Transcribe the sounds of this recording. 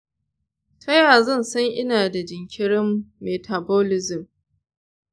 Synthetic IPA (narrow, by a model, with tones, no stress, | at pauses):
tʰɐ˦jaː˨zɐ˦˨nsɐ˦ŋʔɪ˦naː˨da˨d͡ʒɪ˨ŋkʲʰɪ˦ɽɪ˦mːeː˨tʰa˨boː˦lɪ˦zɪ˨m